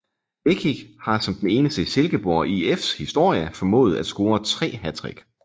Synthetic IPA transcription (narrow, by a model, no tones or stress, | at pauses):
b̥eɡʰi̥hɑ̈sɒ̽md̥ene̝ːnəsd̥əse̝lɡ̥əb̥oɐʔiefshisd̥o̝ɐ̰jəfɒ̽mɔ̰̽ːð̩ˠæd̥sɡ̥o̝ːɐt͡sʰʁɛ̰ːhæd̥ʁiɡ̥